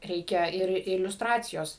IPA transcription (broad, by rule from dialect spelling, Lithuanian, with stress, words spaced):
ˈrʲɛɪkʲɛ ɪr ɪlʲʊsˈtrɑːt͡sʲɪjoːs